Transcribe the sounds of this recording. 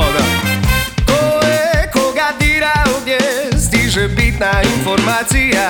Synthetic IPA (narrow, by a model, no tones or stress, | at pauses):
d̪a | kɔɛkɔɡad̪iɾaɔɲɛst̪iʐɛbit̪nainfɔɾmat̪sija